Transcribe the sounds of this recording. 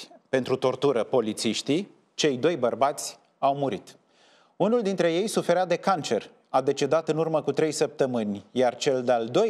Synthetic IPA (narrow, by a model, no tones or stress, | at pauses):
pe̞nt̪ɾut̪o̞rt̪uɾəpo̞lit̪siʃt̪i | t͡ʃe̞jd̪o̞jbərbat̪sʲ | awmuɾit̪ | unuld̪int̪ɾe̞je̞jsufe̞ɾad̪e̞kant͡ʃe̞r | ad̪e̞t͡ʃe̞d̪at̪ɨnurməkut̪ɾe̞jsəp̚t̪əmɨnʲjart͡ʃe̞ld̪eald̪o̞